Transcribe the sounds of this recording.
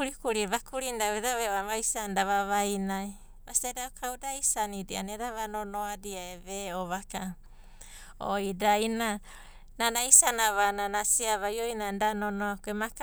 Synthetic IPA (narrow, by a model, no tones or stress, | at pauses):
ɾikuɾiβakuɾindaeðaβeoaβajsandaβaβajnaj | masitadaukʰawdaisanidia̰neɾaβanonoadiaeβeoβaka | o̰idajna | nanaisanaβananasiaβajojnandanonoakuemak